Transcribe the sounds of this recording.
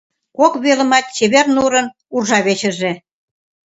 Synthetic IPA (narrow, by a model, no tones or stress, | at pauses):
kokβelə̆mɑt̪̚t͡ɕeβernuɾə̆n | urʒɑβet͡ɕə̆ʒe